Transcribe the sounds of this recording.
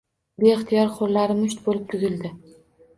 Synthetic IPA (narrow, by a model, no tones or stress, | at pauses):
beɪχt̪ʰijɒɾqʰollaɾɪmʊʃt̪bolɪp̚t̪ʰʊzɪld̪ɪ